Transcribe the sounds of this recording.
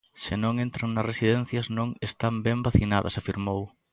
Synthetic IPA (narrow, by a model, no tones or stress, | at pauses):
sɪnõŋent̪ɾoŋnɐsrʔesiðɛn̟θjɐznõŋest̪ambɛmbaθinaðɐ̰safiɾmow